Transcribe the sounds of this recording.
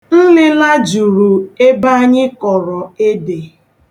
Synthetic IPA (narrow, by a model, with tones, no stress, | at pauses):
n̩˦lɪ˦la˦d͡ʒu˨ɾu˨e˦ba˦ɲɪ˦kɔ˨ɾɔ˨e˦de˨